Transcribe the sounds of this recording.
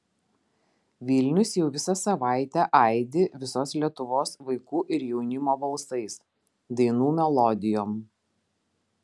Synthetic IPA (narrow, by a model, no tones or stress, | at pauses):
ʋʲɪlʲnʲʊsjɛʊʋʲɪsɐsɐʋɑˑɪt̪ʲæʔɑˑɪd̪ʲɪʋʲɪsoːslʲiɛt̪ʊʋoːsʋɐɪkuːʔɪɾjɛʊnʲɪmoːbɐlˠsɐɪs | d̪ɐɪnuːmʲɛlˠɔd̪ʲɪjoːm